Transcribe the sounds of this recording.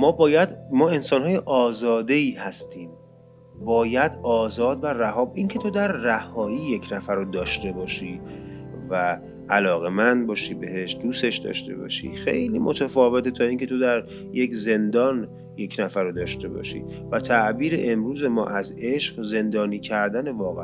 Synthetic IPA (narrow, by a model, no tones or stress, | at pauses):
mɒːbɒːjæd̪mɒːe̞nsɒːnɦɒːje̞ʔɒːzɒːd̪e̞iːhæst̪ʰiːm | bɒːjæd̪ɒːzɒːd̪væræhɒːbʔiŋcʰe̞t̪ʰo̞d̪æɾːæhɒːiːje̞cʰnæfæɾod̪ɒːʃt̪e̞bɒːʃiː | væː | lɒːɣe̞mænd̪̚bɒːʃibe̞he̞ʃd̪uːse̞ʃd̪ɒ̰ːʃt̪e̞̰bɒ̰ːʃḭːxe̞̰jlḭːmʔot̪ʰæfɒːve̞t̪ʰet̪ʰɒːiŋcʰe̞t̪ʰo̞d̪æɾ | je̞cze̞nd̪ɒːn | je̞cʰnæfæɾod̪ɒːʃt̪e̞bɒ̰ːʃḭːvæt̪ʰæʔbiːɾe̞̰ʔemɾuːze̞mɒ̰ːʔæze̞ʃɢze̞nd̪ɒːniːcʰæɾd̪æne̞vɒːɣe